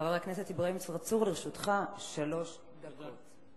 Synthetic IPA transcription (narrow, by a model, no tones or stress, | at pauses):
avaʁaknesethibʁaimt͡svaʁt͡suʁliʁʃutχaʃalo̞ʃ | davot